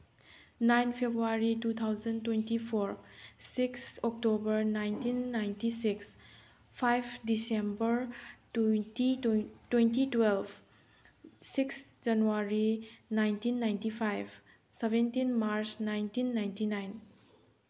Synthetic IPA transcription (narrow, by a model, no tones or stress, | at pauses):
najnpʰebɾuaɾitut̪ʰawzɐntwentipʰoɾsiksɔk̚tobɐɾnajntinːajntisiks | pʰajpʰdisembəɾ | itwentitwelbʰ | siksd͡ʒanuaɾinajntinːajntipʰajb | sebentinmaɾsnajntinːajntinajn